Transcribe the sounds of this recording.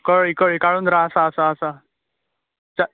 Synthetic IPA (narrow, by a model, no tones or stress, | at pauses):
kəɭikəɭikaɭuːnd̪ɾaəsaːsaːsa | t͡ɕa